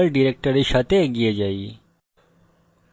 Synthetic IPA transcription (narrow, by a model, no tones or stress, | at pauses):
əlɖiɾek̚ʈəɾiʃɐt̪eɡijed͡ʒai